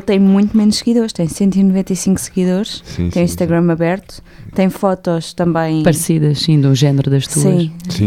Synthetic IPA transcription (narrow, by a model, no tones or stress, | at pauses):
t̪ɐ̃j̃mũj̃t̪umenuʃsɨɣiðoɾʃt̪ɐ̃j̃sẽnt̪̬uinuvẽnt̪ɐjsĩŋksɨɣiðoɾʃsḭt̪ɐ̃j̃ĩʃt̪ɐɣɾɐmɐβɛɾt̪u̥ | t̪ɐ̃j̃fɔt̪ɔʃt̪ɐ̃mbɐ̃j̃pɐɾsiðɐʃsĩd̪ũʒɛnɨɾuðɐʃt̪usiɐ̃ʃsḭ̃